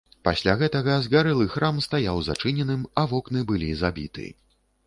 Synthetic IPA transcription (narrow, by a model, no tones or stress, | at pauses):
pasʲlʲaɣɛt̪ɐɣɐzɣaɾɨlˠɨxɾʔamst̪ajawzat͡ʂɨnʲɛnɨmɐvɔknɨbɨlʲizabʲḭt̪ɨ̰